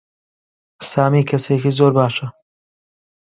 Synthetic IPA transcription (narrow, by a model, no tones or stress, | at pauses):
saːmiːkʰɐseːkizoːɾbaːʃɐ